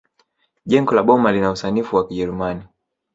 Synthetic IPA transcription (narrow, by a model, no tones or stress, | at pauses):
ʄɛŋɡɔlaɓɔmalinausanifuwakiʄɛɾumani